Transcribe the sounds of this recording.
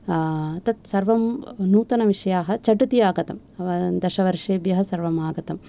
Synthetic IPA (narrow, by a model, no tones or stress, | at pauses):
t̪ɐt̪sɐɾʋɐmnuːt̪ɐnɐʋiʂɐjaːɦɐ̆t͡ʃɐʈut̪ijaːɡɐt̪ɐm | ɐɐd̪ɐʃɐʋɐɾʂeːbjɐɦɐsɐɾʋɐmaːɡɐt̪ɐm